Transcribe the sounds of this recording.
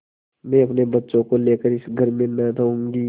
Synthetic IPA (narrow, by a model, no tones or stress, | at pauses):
mɛ̃ɐpnebɐtːʃõkoleːkəɾɪsɡʱɐɾmẽnɐd̪əũːŋɡiː